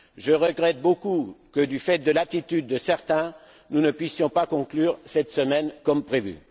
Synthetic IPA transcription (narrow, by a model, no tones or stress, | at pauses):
ʒəʁəɡʁɛt̪̚bokukəd̪yfɛt̪̚d̪əlat̪it̪yd̪ːəsɛʁt̪ɛ̃ | nunəpɥisjɔ̃pakɔ̃klyːʁsɛt̪səmɛnkɔmpχevy̰